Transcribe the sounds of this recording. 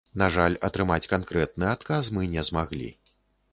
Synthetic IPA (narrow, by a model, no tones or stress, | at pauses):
naʐalʲɐt̪ɾɨmat͡sʲkankɾɛt̪̚nɨat̪̚kas̬mɨnʲɛzmaɣlʲḭ